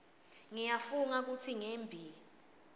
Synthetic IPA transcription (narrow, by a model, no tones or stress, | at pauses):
ŋijafuŋak̬utʰiŋeːmbʱiːl